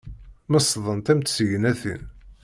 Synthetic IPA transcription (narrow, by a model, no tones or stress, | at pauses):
məsðˤənt̪æmt̪səʝənæθḭn